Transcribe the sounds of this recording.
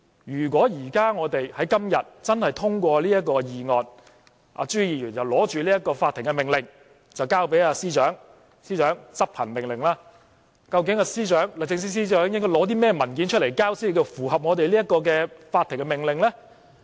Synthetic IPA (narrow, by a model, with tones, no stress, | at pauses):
jyː˨˩k̬ʷwɔː˨˥jiː˨˩kaː˥ŋɔː˨˧t̪e˨jhɐ˨˥jkɐ˥mjɐ˨t̚t͡sɐ˥nhɐ˨jt̪ʰʊ˥ŋkʷɔː˧liː˥jɐ˥t̚kːɔː˧jiː˨ŋɔː˨n | ʔa̰ː˨˧t͡ʃyː˥jiː˨˩jyː˨˩njɐ˨˩wlɔː˨˥t͡ʃyː˨liː˥jɐ˥t̚kɔː˧faː˧t̪ʰːɪ˨˩ŋkɛ˧mɪ˨ŋlɪ˨ŋ | t͡sɐ˨wkaː˥wpe˨˥jaː˧siː˥t͡ʃœː˨˥ŋ | siː˥t͡ʃœː˨˥ŋt͡sɐ˥p̚pʰɐ˨˩nmɪ˨˩ŋlɪ˨˩ŋlaː˧˥ | kɐ˧wk̬ɪ˨˥ŋaː˧siː˥t͡ʃœː˨˥ŋlt͡sɪ˧ŋs̬ɪ˥siː˥t͡ʃœː˨˥ŋjɪ˥ŋkɔː˥˩lɔː˨˥t̪iː˥mɛː˥mɐ˨˩nk̬iː˨˥nt͡ʃʰɵ˥t̚le˨˩jkaː˥wsi˥˨˧kːɐ˧˩fuː˨˩hɐ˨p̚ŋɔː˨˧t̪̬e˨jliː˥jɐ˥t̚kɔː˧k̬ɛː˧faː˧t̪ʰːɪ˨˩ŋkɛ˧mɪ˨˩ŋlɪ˨ŋlɛː˥